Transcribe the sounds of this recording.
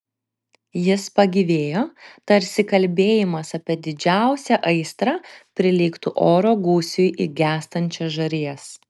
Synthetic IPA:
jɪspɐɡʲiʋʲeːjoːt̪ɐɾʲsʲɪkɐlʲbʲeːjɪmɐsɐpʲiɛd̪ʲɪd͡ʒʲæˑʊsʲɛʔɐɪst̪ɾɑːpʲɾʲɪlʲɪkt̪ʊʔoːɾoːɡuːsʲʊjʔɪɡʲæːst̪ɐnʲt͡ʃʲɛʒɐɾʲiːɛs

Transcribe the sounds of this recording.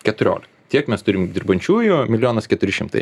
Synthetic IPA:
kʲɛt̪ʊɾʲo̰ːlʲɪkɐtʲiɛkmʲɛst̪ʊɾʲɪmd̪ʲɪɾbɐnʲt͡ʃʲuːjʊmʲɪlʲjoːnɐskʲɛt̪ʊɾʲɪʃʲɪmt̪ɐ̰ɪ

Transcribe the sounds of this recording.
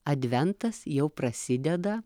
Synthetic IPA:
ɐd̪ʲʋʲɛnt̪ɐsjɛʊpɾɐsʲɪd̪ʲɛd̪ɐ

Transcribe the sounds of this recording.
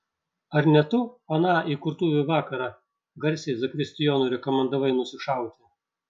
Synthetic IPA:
ɐɾnʲɛt̪ʊɐnɑːʔikʊɾt̪uːʋʲʊʋɑːkɐɾɑː | ɡɐɾʲsʲɛɪzɐkɾʲɪsʲt̪ʲɪjoːnuːɾʲɛkɔmʲɛnd̪ɐʋɐɪnʊsʲɪʃɑˑʊt̪ʲɪ

